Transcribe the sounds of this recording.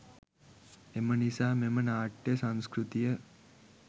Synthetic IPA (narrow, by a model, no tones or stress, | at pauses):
emənisaːmemənaːʈjəsãnskɾut̪ijə